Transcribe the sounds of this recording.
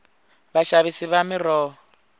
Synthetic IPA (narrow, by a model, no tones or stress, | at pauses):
βaʃaβisiβamɪrɔː